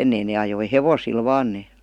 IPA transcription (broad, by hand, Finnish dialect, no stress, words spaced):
enːei neː ɑjoi heʋosil ʋɑːn neː